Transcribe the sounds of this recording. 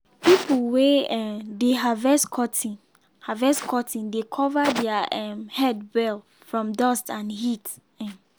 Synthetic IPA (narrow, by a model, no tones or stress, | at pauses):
pipl̩weɛdeɦavɛskʰɔtĩn | havɛskʰɔtʰĩndekʰɔvadɛaʔɛ̃mhɛdbɛl | fɹɔ̃mdɔstãnhit | ɛm